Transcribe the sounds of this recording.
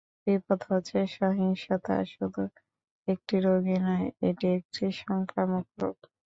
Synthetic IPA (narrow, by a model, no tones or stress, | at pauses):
bipɔt̪ʰot͡ɕʰeʃaɦiŋʃat̪ʰa̰ʃod̪u | ek̚ʈiɾoɡinɔeeʈiek̚ʈiʃɔŋkɾamokɾo̰k